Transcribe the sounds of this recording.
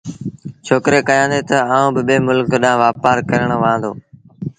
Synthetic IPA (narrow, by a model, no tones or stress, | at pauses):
t͡ʃʰoːkɾeːkəjãːnd̪eːt̪əaːũːbɪɓeːmʊlkɗãːʋaːpaːɾkəɾəɳ̃ʋãːnd̪o̰ː